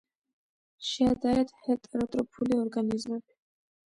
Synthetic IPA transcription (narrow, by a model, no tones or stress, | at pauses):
ʃɛad̪aɾɛt̪hɛt̪ʼɛɾɔt̪ʼɾɔpʰuliɔɾɡanizmɛbi